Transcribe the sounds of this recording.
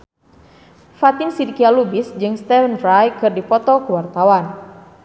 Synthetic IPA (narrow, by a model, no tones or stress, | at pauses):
fat̪ɪnsidikialubɪsd͡ʒɨŋst̪ɛfənrajkɨrdipɔt̪ɔkuwart̪awan